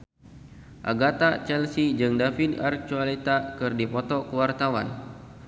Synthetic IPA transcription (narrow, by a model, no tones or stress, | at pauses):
ʔaɡat̪at͡ʃɛlsid͡ʒɨŋdafidar̚t͡ʃualit̪akɨrdipɔt̪ɔkəwart̪awan